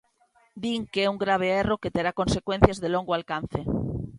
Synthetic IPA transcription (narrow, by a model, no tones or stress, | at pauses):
d̪iŋkeeuŋɡɾaβ̞eeroket̪eɾako̞nsekwen̟θjazðelõŋɡoalkan̟θe